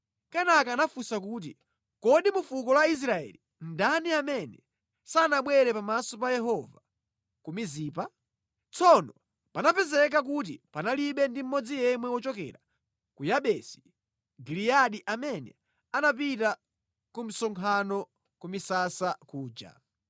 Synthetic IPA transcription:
kanakaːnafusakuːt̬ḭ | kɔɗimufukɔlwais̬ɾaɛ̰li | n̩daniamɛnɛ̰ | sanaɓwɛɾɛpamasɔpajɛɦɔva | kumiziːpa | t͡sɔnɔ | panapɛzɛk̬ak̬ut̬ipanaliɓɛndim̩mɔd͡zijɛmwɛwɔt͡ʃɔkɛ̰ɾa | kujaɓɛsi̥ | ɡiliaɗiʔamɛnɛ̰ | anapita | kum̩sɔŋkʰanɔ | kumisasakuːd͡ʒa̰

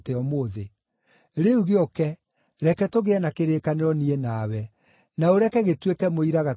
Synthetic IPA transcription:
teɔmoðe | ɾeuɣeɔkɛ | ɾɛkɛtoɣeɛnakeɾeːkaneɾɔnienawɛ | naoɾɛkɛɣetwekɛmoiɾaɣa

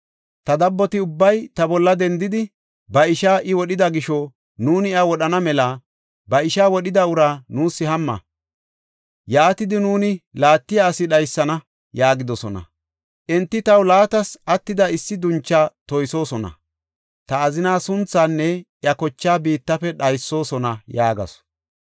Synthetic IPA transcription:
t̪ɐd̪ɐbːɔt̪ɪʊbːɐjt̪ɐbɔlːɐd̪ɛnd̪ɪd̪ɪ | bɐɪʃaːʔɪwɔɗɪd̪ɐɡɪʃɔ | nuːnɪɐwɔɗɐnɐmɛlɐ | bɐɪʃaːwɔɗɪd̪ɐʊɾaːnuːsːɪɦɐmːɐ̰ | jaːt̪ɪd̪ɪnuːnɪlaːt̪ːɪjaːsɪɗɐjsːɐnɐ | jaːɡɪd̪ɔsɔnɐ̰ | ʔɪnt̪ːɪt̪ɐwlaːt̪ɐsɐt̪ːɪd̪ɐɪsːɪd̪ʊnt͡ʃːaːt̪ɔjso̞ːsɔnɐ̰ | t̪ɐːzɪnaːsʊnt͡sːaːnːɛ | jɐkɔt͡ʃːaːbiːt̪ːɐfɛɗɐjsːo̞ːsɔnɐjaːɡɐ̰s

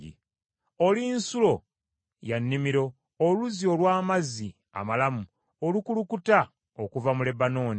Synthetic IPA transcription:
ḭ | olinsulo̞ | janːimiɾo̞ː | luzio̞lwaːmazi | a̰malamu | olukulukuta | okuvamule̞bano̞ːni

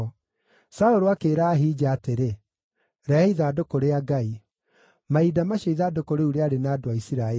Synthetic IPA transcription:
saoɾoakeːɾaːɦiːd͡ʒaːteɾe | ɾɛiðaːdokoɾeaɡai | maidamaɕaiðaːdokoɾeuɾeaɾenaːdoaisiɾaɛ

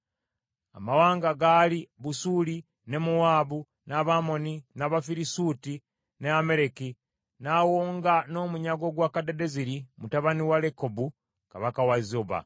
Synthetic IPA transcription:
a̰mawaːŋɡaɡaliβusuli | ne̞muwaːβu | naβamo̞ninaβafiɾisuti | neameɾeki | nawoːŋɡano̞ːmuɲaɡo̞ɡwaːkadede̞ziɾimutaβaniwalekobu | kaβakawazoβa̰

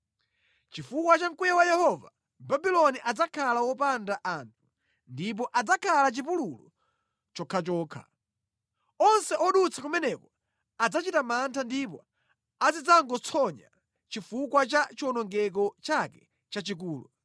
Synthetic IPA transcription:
t͡ʃifukwat͡ʃaŋkujawajɛhɔva̰ | babilɔniʔad͡zakʰalawɔpandaʔaːntʰu̥ | ndip̬ɔʔad͡zakʰalat͡ʃip̬ululṵ | t͡ʃɔkʰat͡ʃɔːkʰḁ̰ | ɔnsɛʔɔɗut͡sʰakumɛnɛkɔ | ad͡zat͡ʃitamantʰandipɔ̰ | azid͡zaŋɡɔt͡sʰɔɲa̰ | t͡ʃifukwat͡ʃat͡ʃiɔnɔŋɡɛk̬ɔt͡ʃakɛ | t͡ʃat͡ʃik̬uːlṵ

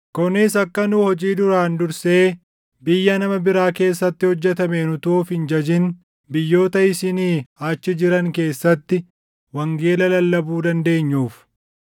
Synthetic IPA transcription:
kʊnɪs̬ɐkːɐnʊhɔd͡ʒiːd̪ʊɾaːnd̪ʊɾse̞ː | bɪjːɐnɐmɐbɪɾaːke̞ːsːɐt̪ːɪhɔd͡ʒːɛt̪ɐmenʊt̪uːfhɪnd͡ʒɐd͡ʒɪn | bɪjːo̞ːt̪ɐɪsɪniːaːt͡ʃːɪd͡ʒɪɾɐŋke̞ːsːɐt̪ːɪ | wɐŋɡe̞ːlɐlɐlːɐbuːd̪ɐnd̪e̞ːɲːuːf

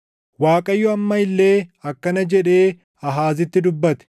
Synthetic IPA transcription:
waːkʼɐjːʊɐmːɐɪlːe̞ːɐkːɐnɐd͡ʒɛᶑe̞ː | ɐɦaːzɪt̪ːɪd̪ʊbːɐt̪ɛ̥

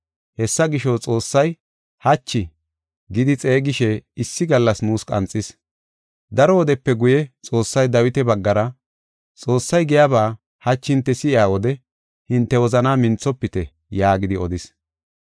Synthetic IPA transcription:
hɛsːɐɡɪʃɔt͡sʼo̞ːsːɐj | hɐt͡ʃːɪ | ɡɪd̪ɪt͡sʼe̞ːɡɪʃɛɪsːɪɡɐlːɐsnuːskʼɐ̰nt͡sʼːɪs | d̪ɐɾɔwɔd̪ɛpːɛɡʊjɛt͡sʼo̞ːsːɐjd̪ɐwɪt̪ɛbɐɡːɐɾɐ | t͡sʼo̞ːsːɐjɡɛjabaː | hɐt͡ʃːɪnt̪ːɛsɪɪaːwɔd̪ɛ | hɪnt̪ːɛwɔzɐnaːmɪnt͡sːɔpːɪt̪ɛ | jaːɡɪd̪ɪɔd̪ɪs

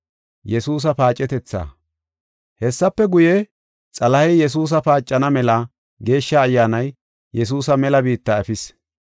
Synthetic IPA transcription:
jɛsuːs̬ɐpaːt͡ʃʼːɛt̪ɛt͡sːa̰ː | hɛsːɐpːɛɡʊjɛ | t͡sʼɐlɐhɛjjɛs̬uːs̬ɐpaːt͡ʃʼːɐnɐmɛlɐ | ɡe̞ːʃːɐːjːaːnɐj | jɛs̬uːsɐmɛlɐbiːt̪ːɐɛfɪs

